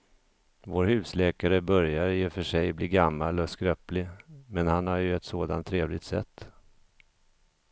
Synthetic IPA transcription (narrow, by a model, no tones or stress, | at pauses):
voːɾhʉ̟ːslɛːkaɾəbœɾjaɾjɪfœʂɛjbliːɡamːalɔskɾœːplɪmɛnhanhaɾjɵɛt̪soːd̪a̰nt̪ʰːɾeːvlɪɡt̪sɛ̰t̪ː